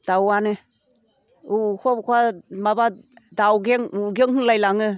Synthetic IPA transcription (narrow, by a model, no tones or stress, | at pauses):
d̥awanɯ | ukʰɔbkʰamabadawɡeŋuɡeŋhɯŋlajlaŋɯ